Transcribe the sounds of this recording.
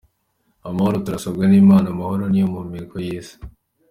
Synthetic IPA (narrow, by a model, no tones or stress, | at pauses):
amahoɾotuɾasobɡeniːmaːnamaho̞ɾo̞nijomumiɾkojiːsi̥